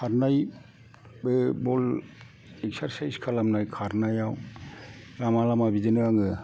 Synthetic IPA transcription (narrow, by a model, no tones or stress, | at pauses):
kʰaɾnaj | bɯbɔl | eksaɾsajskʰalamnajkʰaɾnajaw | ɾamalamabidɯnɯɡaŋɯ